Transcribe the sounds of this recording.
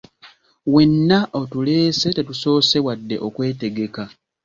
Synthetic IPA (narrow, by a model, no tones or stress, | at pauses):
we̞nːaʔo̞tule̞ːse̞te̞tuso̞ːse̞wadːe̞̰ʔo̞kwe̞ːte̞ɡe̞ka